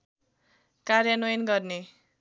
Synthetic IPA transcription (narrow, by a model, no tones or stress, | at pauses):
karjʌnojnɡʌrne